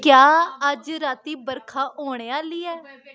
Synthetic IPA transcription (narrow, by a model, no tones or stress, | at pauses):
kjaːəd͡ʒɾaːt̪iːbəɾkʰaːʔoːɽ̃eːaːliːɛː